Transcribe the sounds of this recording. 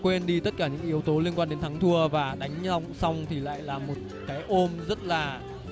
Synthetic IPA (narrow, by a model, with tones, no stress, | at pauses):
kwe˧nɗi˧t̪ə˦˥t̚kaː˧˩ɲɨ̰˧˥ŋʔi˨˦əwt̪o˨˦li˧ənkwaː˧nɗe˨˦nt̪ʰa˨˦ŋt̪ʰu˧əvaː˨˩ɗa˨˦jŋ̟˧sa˧wŋ͡mt̪ʰi˨˩la̰ː˧˨jlaː˨˩mo˨˩t̚ | kaː˨˦jʔo˧mzə˦˥t̚laː˨˩